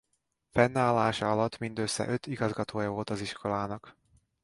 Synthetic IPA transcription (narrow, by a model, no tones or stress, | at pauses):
fɛnːaːlːaːʃɒɒlɒt̪ːmind̪øsːɛ̰ʔø̞t̪iɡɒzɡɒt̪oːjɒvo̞lt̪ɒziʃkʰo̞laːnɒk